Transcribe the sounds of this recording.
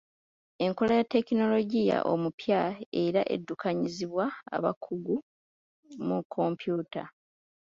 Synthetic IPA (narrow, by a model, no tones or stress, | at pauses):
e̞ŋko̞lajatːe̞kino̞lo̞ɟija̰ʔo̞̰mupjaeɾaʔe̞̰dːukʰaɲiziβwaa̰βa̰kʰːuɡu | mukʰːo̞mpjuːta̰